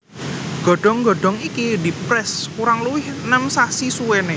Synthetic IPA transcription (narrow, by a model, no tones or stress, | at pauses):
ɡ̥ɔ̤ɖ̥ɔ̤ŋɡɔɖ̥ɔ̤ŋikidi̤pɾɛskuɾaŋluwɪhnəmsasisuwene